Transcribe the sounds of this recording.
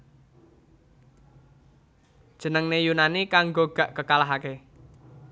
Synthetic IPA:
d̥ʒ̥ə̤nəŋnejunanikaŋɡoɡ̥ä̤ʔkəkalaɦake

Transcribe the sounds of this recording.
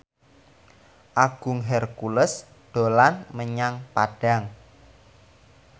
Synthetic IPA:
ʔaɡ̥ʊ̤ŋɦɛrkuləs | d̪̥o̤lanməɲaŋpaɖ̥a̤ŋ

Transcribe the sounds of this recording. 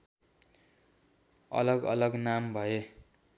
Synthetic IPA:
ʌ̰lʌɡʌ̰lʌɡnambʱʌe

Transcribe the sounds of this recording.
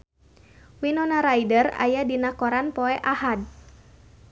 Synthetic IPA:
winɔnaɾajdəra̰jadinakɔɾanpɔɛʔahad̚

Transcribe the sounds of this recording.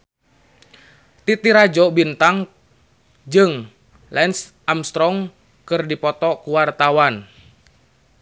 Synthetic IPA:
t̪it̪iɾad͡ʒɔbint̪aŋ | d͡ʒɨŋ | lɛnsʔamst̪ɾɔŋ | kɨrdipɔt̪ɔkuwart̪awan

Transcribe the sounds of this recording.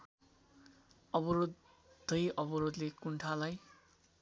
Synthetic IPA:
ʌbʌɾod̪ʱ | ʌjʌbʌɾod̪lekuɳʈʰalaj

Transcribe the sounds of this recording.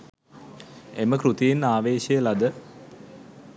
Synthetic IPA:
eməkɾut̪ijenːaːʋeːʃəjəlad̪ə

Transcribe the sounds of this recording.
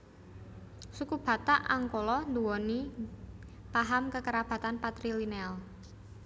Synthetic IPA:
sukub̥ä̤t̪aʔaŋkolɔnd̪uwɔni | paɦamkəkəɾab̥a̤t̪anpat̪ɾilinɛl

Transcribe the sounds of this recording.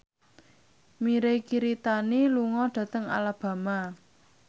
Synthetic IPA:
miɾekiɾit̪aniluŋɔɖ̪̥ä̤t̪əŋa̰lab̥ä̤ma

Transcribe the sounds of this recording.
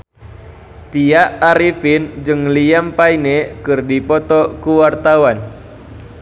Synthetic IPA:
t̪iaʔaɾifind͡ʒɨŋliampainekɨrdipɔt̪ɔkuwart̪awan

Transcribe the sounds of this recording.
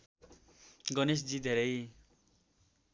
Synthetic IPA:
ɡʌnes̬d͡zid̪ʱeɾʌj

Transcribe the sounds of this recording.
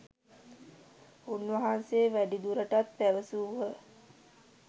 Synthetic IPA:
unːʋɐɦanseːʋæɖid̪uɾəʈat̪̚pæʋəsuːʋə

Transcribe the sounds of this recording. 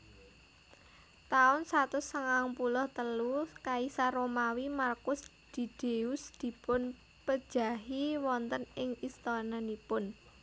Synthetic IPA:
t̪aʊnsat̪ʊsəŋaŋpulʊht̪əlukaisaɾomawimarkʊs | d̪̥i̤d̪̥eusd̪̥i̤pʊn | pəd̥ʒ̥a̤ɦiwɔnt̪ənɪŋist̪ɔnanipʊn

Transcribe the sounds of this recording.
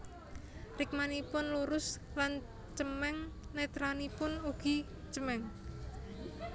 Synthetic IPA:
rɪk̚manipʊnluɾʊs | lan | t͡ʃəmɛŋnet̪ɾanipʊnuɡ̥i̤ | t͡ʃəmɛŋ

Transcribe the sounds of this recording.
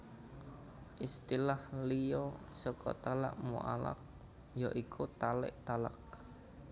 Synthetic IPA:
ʔist̪ilahlijɔ | sɔkɔ̰t̪ala̰ʔmṵʔa̰la̰k̚ | jɔʔikʰut̪alɪ̰ʔt̪ala̰k̚

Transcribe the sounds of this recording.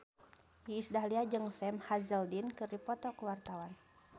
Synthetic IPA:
iːsdahliad͡ʒɨŋsɛmhazəldinkɨripɔt̪ɔkəwart̪awan

